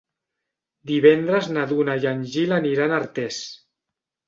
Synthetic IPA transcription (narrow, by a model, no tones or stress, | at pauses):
d̪iβɛnd̪ɾəznaðunajanʲʒilaniɾanaɾt̪ɛs